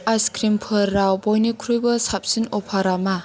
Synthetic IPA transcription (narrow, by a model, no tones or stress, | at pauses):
ajskɾimpʰɯɾːawbɔjnikʰuɾujbɯsap̚sinɔpʰaɾama